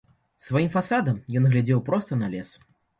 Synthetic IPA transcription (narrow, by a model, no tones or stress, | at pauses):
svajimfasad̪ɐmjɔnɣlʲad͡zʲɛwpɾɔst̪ɐnalʲɛs